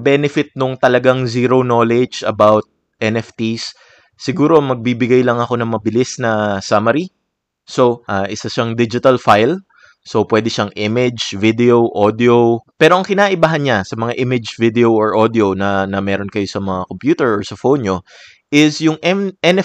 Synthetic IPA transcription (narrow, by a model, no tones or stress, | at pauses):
bɛnɪfɪt̪̚nʊŋt̪ɐlɐɡaŋziːɾo̞no̞ːlɛd͡ʒɐbawt̪̚ | ʔɛnɛft̪isː | ɪɡuːɾomɐɡ̚bibɪɡajlɐŋɐko̞nɐŋmɐbɪlɪsnɐsamɐɾi | so̞ʔaːʔɪsɐʃaŋd̪id͡ʒɪt̪ɐlfajl | so̞pwɛːd̪ɪʃaŋʔimɪd͡ʒvɪd̪ɛoʔod̪ɪopɛːɾoʔɐŋkɪnaːʔɪbaːɦɐnɲasɐmɐŋaʔɪmɪd͡ʒvid̪ɛooɹʔod̪ɪonɐnɐmɛːɾo̞nkɐjo̞sɐmɐŋakompjuːt̪ɛɹoɹsɐfo̞wnɲo̞ | ʔɪsjʊŋʔɛmɛnɛ